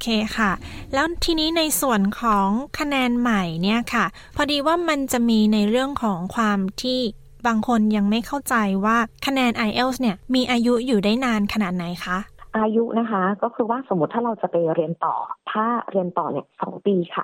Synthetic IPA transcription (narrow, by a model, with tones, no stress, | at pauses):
kʰeː˧kʰa˥˩lɛː˦˥wt̪ʰiː˧niː˦˥na˧jsu˨˩ənkʰɔː˩˦ŋkʰa˧nɛː˧nma˨˩jni˥˩ɐkʰa˥˩ | pʰɔ˧diː˧waː˥˩ma˧nt͡ɕa˨˩miː˧na˧jɾɯ˥˩əŋkʰɔː˩˦ŋkʰwaː˧mt̪ʰiː˥˩ | baː˧ŋkʰo˧nja˧ŋma˥˩jkʰa˥˩wt͡ɕa˧jwaː˥˩kʰa˧nɛː˧nʔa˧jʔe˥˩wsni˥˩ɐmiː˧ʔaː˧ju˦˥juː˨˩daː˥˩jnaː˧nkʰa˧naː˨˩t̪̚na˩˦jkʰa˦˥ʔʔaː˧ju˦˥ʔna˦˥kʰa˦˥kɔː˥˩kʰɯː˧waː˥˩so˩˦mː˦˥t̪ʰːaː˥ɾa˧wt͡ɕa˨˩pa˧jɾi˧ənt̪ɔ̰ː˨˩t̪ʰaː˥˩ɾi˧ənt̪ɔː˨˩ni˦˥˩əsɔ̰ː˩˦ŋpiː˧kʰa̰˥˩